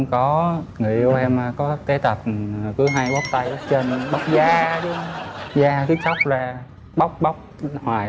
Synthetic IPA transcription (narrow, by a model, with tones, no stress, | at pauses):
ŋ͡mkɔ˨˦ŋḭ˧˩˨ə˧wʔɛ˧ma˨˩kɔ˨˦t̪e˨˦t̪ə˨˩p̚kɨ˨˦ɦa˧jɓa˦˥wk͡p̚t̪a˧jʔɨ˨˦˥t͡ɕə˨˩n˨ɓa˦˥wk͡p̚zaː˧ɗu˨˦hwŋ͡mzaː˧ki˨˦sa˦˥wk͡p̚laː˨˩ | ɓa˦˥wk͡p̚ɓa˦˥wk͡p̚hwaː˨˩